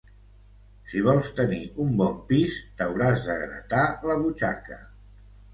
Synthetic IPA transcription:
siβ̞ɔlˠst̪əniumbɔmpist̪əwɾazðəɣɾə̰t̪aləβut͡ʃakə̰

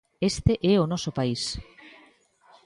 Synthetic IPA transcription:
est̪eʔɛonɔsopais

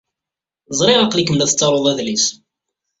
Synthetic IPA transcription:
zˤɾˤɪɾəqlikːəmlæθt͡sːɑɾˤoðˤæðlis

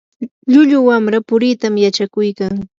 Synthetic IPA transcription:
ʎʊʎʊwamɾapʊɾit̪amjat͡ʃakʊjkaŋ

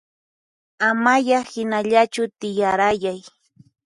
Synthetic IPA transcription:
amajahɪnaʎat͡ʃʊt̪ɪjaɾajaj

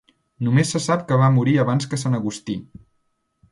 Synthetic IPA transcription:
numesːəsapkəβamuɾiəβanskəsanəɣust̪i

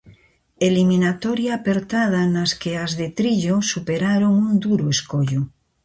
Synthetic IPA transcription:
elimĩnat̪oɾjaːpeɾt̪að̞anaskeazðet̪ɾiʎosupeɾaɾoŋund̪uɾoeskoʎo

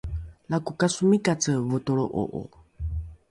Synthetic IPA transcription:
lakukasumĩkat͡səvot̪oɺoʔo̰ʔo̰

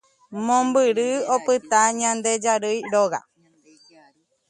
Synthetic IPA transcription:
mõmbɨɾɨopɨt̪aɲãnd̪ed͡ʒaɾɨjɾoɣa̰

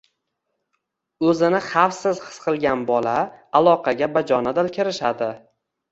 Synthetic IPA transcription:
ɵzɪnɪχafsɪzhɨ̥sqʰɨlˠɡʲanbɒlaalˠɒqʰɑɡʲabad͡ʒɒnad̪ɪlkʲʰɪɾɪʃad̪ɪ

